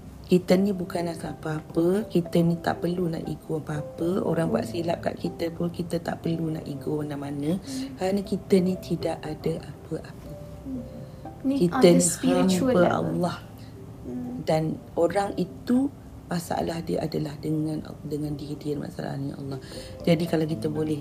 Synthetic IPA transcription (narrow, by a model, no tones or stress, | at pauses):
kit̪ənĩbukanahsapəapəkit̪ənit̪a̰ʔpərluna̰ʔiɡoapəapəo̰ɾaŋba̰ʔsilap̚ka̰ʔkit̪əpʊnkit̪ət̪a̰ʔpərlunã̰ʔiɡoanamanə̃kaɾanə̃kit̪ənĩt̪ʰidaʔadəʔapəʔapə | kit̪ənihambbəʔɑ̰lːɑh | dan | oɾaŋit̪u | masa̰ʔa̰lahdiəʔadəlahdəŋãn̰dəŋãndikidiərma̰sa̰la̰ɲaɑ̰lːɑhd͡ʒadikalawk̬it̪əbolɛh